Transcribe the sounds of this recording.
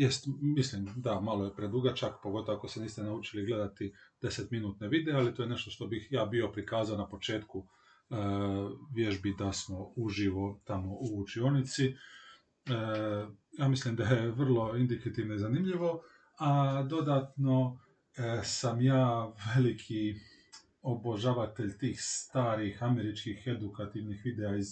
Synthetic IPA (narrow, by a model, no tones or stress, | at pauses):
jest̪mislimd̪amalojepɾed̪uːɡat͡ʃakpoɡo̞t̪oʋako̞seniːst̪enaut͡ʃiliɡle̞d̪at̪id̪̥e̞set̪minuːt̪neʋid̪ealit̪oːjene̞ʃt̪o̞ʃt̪o̞bixjaːbio̞pɾikaːzaonapo̞t͡ʃe̞ːt̪ku | əʋjeʒbid̪asmo̞uʒiʋo̞t̪amo̞uːt͡ʃio̞nit̪si | jaːmislimd̪ajeʋr̩lˠo̞ind̪ikat̪iʋnoizanimʎiʋo̞ | ad̪o̞d̪aːt̪no̞ | samjaːʋelikʰi | o̞bo̞ʒaʋat̪e̞ʎt̪iːxst̪aːɾixame̞ɾit͡ʃkixe̞d̪ukat̪iʋnixʋid̪eaiz